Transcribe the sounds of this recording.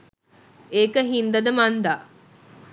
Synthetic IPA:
eːkəɦind̪ɐd̪ɐmɐnd̪aː

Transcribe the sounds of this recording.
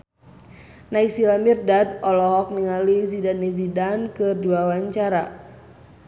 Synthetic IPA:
naiksilamirdadɔlɔɦɔk̚niŋalizidanizidankɨrduawaɲt͡ʃaɾa

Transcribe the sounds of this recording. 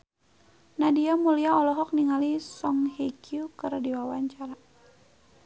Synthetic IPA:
nadiamuliaɔlɔɦɔk̚niŋalisɔŋhekiukərdiwawaɲt͡ʃaɾa

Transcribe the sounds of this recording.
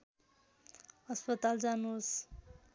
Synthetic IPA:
ʌspʌt̪ald͡zanus

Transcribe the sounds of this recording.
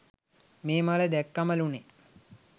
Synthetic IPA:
meːmaləd̪ækːɐməlune

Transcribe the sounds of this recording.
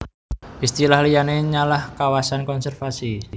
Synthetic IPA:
ʔist̪ilahlijaneɲalahkawasankɔnsɛrfasi

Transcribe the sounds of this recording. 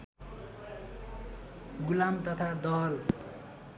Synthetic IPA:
ɡulamt̪ʌt̪ʰad̪ʌɦʌl

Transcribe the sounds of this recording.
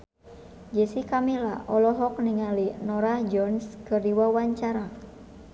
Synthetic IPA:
d͡ʒɛsikamila̰ʔɔlɔɦɔk̚niŋalinɔɾad͡ʒɔnskɨrdiwawaɲt͡ʃaɾa

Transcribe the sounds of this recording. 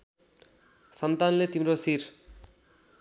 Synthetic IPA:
sʌnt̪anlet̪imrosir

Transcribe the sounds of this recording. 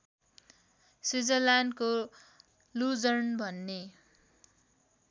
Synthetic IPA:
sid͡zʌlanko | lud͡zʌrnbʱʌnːe

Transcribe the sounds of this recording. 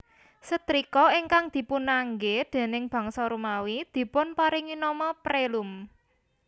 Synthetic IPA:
sət̪ɾikɔiŋkaŋd̪̥i̤punaŋɡed̪̥e̤nɪŋb̥a̤ŋsɔɾumawid̪̥i̤pʊnpaɾɪŋinɔmɔpɾelum

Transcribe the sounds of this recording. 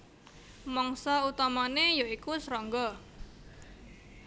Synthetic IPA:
mɔŋsɔut̪amanejoikusɾɔŋɡɔ

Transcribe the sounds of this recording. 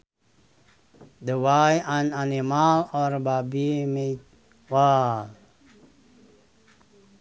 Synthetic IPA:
d̪əwajãnanimalɔɾbabimet | wal

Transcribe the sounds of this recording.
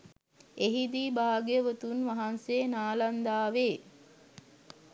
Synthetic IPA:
eɦid̪iːbaːɡeəʋət̪unʋaɦansenaːland̪aːʋeː

